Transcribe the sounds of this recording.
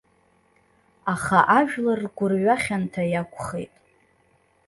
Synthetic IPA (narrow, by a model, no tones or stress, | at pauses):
aχaʔaʒᶣlarɡʷʊrɥaχʲantʰajakʷʰʼχḛjtʼ